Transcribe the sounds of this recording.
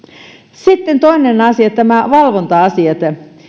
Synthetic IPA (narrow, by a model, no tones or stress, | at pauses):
sit̪ːent̪oinenɑsiɑt̪ːæmæʋɑlʋont̪ɑɑsiɑt̪